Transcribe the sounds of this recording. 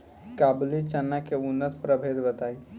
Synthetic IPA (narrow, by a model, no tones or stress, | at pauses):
kabulit͡ʃənːakeunːət̪pɾəbʱed̪bət̪ai